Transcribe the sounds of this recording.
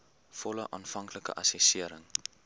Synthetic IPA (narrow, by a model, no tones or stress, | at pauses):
fɔləʔɑːnfɐŋkləkə̰ʔɐsɛsiəɾəŋ